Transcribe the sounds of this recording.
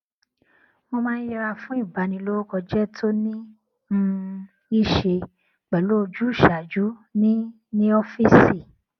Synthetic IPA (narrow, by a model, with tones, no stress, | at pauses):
mo˧mãː˦n˦i˧ɾa˧fũ˦i˦˨ba˨˧nĩ˧lo˦ɾo˦kɔ˧d͡ʒɛ˦tʰo˦nĩ˦˧ | i˦˨ʃe˧ | k͡pɛ˨lo˨˦o˧d͡ʒu˦˨ʃa˨d͡ʒu˨˦nĩ˦ | nĩ˦o˦fi˦si˦˨